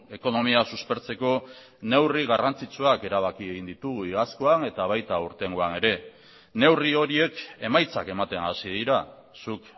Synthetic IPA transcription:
e̞ko̞no̞miasuspe̞ɾt͡se̞ko̞ | ne̞wriɣ̞arant͡sit͡suake̞ɾaβ̞akieɣind̪it̪uɣuiɣaskoane̞t̪aβ̞ajt̪auɾt̪e̞ŋɡoane̞ɾe̞ | ne̞wrio̞ɾie̞kemajt͡sake̞mat̪e̞nasið̞iɾa | suk

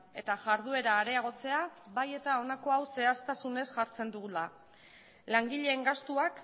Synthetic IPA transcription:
e̞t̪aʝaɾð̞ue̞ɾaːɾe̞aɣ̞o̞t͡se̞aβaje̞t̪ao̞nako̞awse̞ast̪asune̞sʝaɾt͡se̞nd̪uɣula | laŋɡiʎe̞ːŋɡast̪uak

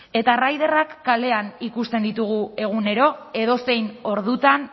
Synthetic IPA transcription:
e̞t̪arajðerakːale̞anikust̪e̞nd̪it̪uɣ̞ue̞ɣ̞une̞ɾo̞e̞ðo̞se̞jno̞ɾðut̪an

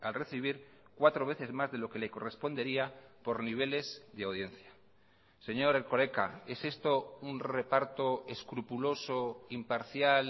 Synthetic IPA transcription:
alre̞θiβ̞iɾkwat̪ɾo̞βe̞θe̞zmazðe̞lo̞ke̞le̞ko̞re̞spo̞nd̪e̞ɾiapo̞ɾniβ̞e̞le̞zðeawð̞je̞nθja | se̞ɲo̞ɾelko̞le̞ka̰e̞se̞st̪o̞unrre̞paɾt̪o̞e̞skɾupulo̞so̞impaɾθjal

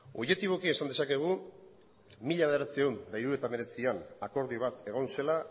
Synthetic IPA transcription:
o̞je̞t̪iβo̞kie̞sand̪e̞sake̞ɣ̞u | miʎaβ̞ð̞eɾat͡siewnd̪ajɾuɾoet̪ame̞ɾe̞t͡sianako̞ɾðiβ̞at̪e̞ɣ̞o̞nse̞la

